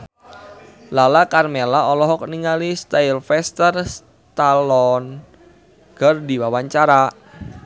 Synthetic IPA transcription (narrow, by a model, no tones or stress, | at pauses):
lalakarmelaɔlɔɦɔk̚niŋalist̪ailfɛst̪ərs | t̪alɔn | ɡ̥ərdiwawaɲt͡ʃaɾa